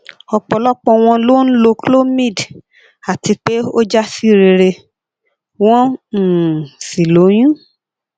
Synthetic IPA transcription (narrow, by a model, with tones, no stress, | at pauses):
ɔ˧k͡pɔ˨lɔ˦k͡pɔ̃˧w̃ɔ̃˧lo˦n̩˦lo˧klo˦mĩ˦˨d | a˨ti˧k͡pe˦o˦d͡ʒa˦si˦ɾe˨ɾe˧ | w̃ɔ̃˦˨ | si˨lo˨˦j̃ĩ˦